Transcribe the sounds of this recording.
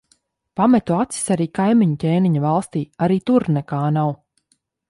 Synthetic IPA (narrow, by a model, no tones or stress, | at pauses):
pamɛt̪uat̪si̥saɾiːkajmiɲucʲeːniɲavalˠst̪iːaɾiːt̪uɾnɛkaːnaw